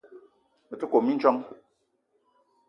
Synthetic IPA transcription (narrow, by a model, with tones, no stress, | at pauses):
ə˨tə˦ko˨mi˦n̩˦t͡ʃɔ˦ŋ